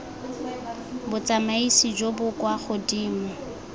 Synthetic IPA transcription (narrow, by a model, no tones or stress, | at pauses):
bʊt͡samaisid͡ʒobʊkwaχʊdiːm̩